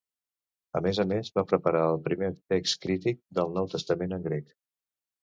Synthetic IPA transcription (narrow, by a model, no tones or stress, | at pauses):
əmezəmezβapɾəpəɾaəlˠpɾimet̪ekskɾit̪ik̚d̪əlˠnɔwt̪əst̪əmenəŋɡɾek